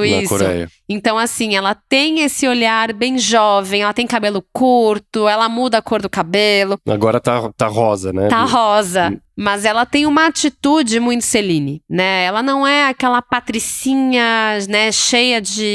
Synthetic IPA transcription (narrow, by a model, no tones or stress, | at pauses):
ʊiskoɾɛ̰jɐ̰ẽnt̪ɐ̃w̃asĩɛlɐt̪ẽj̃esɪoʎaɾbẽj̃ʒɔvẽj̃ɛlɐt̪ẽj̃kabelʊkuɾt̪ʊɛlɐmud̪ɐkoɾd̪ʊkabelʊa̰ɡɔɾɐt̪at̪aɦɔzɐ̰nɛ̰t̪aɦɔzɐmɐzɛlɐt̪ẽj̃ũmɐat͡ʃit̪ud͡ʒɪmũj̃t̪ʊ̥selĩnɪnɛɛlɐnɐ̃w̃ɛakɛlɐpat̪ɾisĩɲɐnɛʃejɐd͡ʒɪ